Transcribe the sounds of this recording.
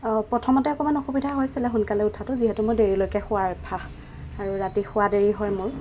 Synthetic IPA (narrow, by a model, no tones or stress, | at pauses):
pɹɔtʰɔmɔtɛɔkɔmanɔxubidʱaɦojsɛlɛxunkalɛʊtʰatʊziɦɛtʊmʊɹdeɹilojkɛxʊaɹbʰʱax | aɹuɹatixʊadeɹiɦɔjmʊɹ